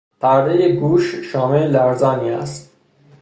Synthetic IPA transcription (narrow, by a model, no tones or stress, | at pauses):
pʰæɾd̪ejeɡuːʃʃɒːmelæɾzɒːniːæ̰st̪̚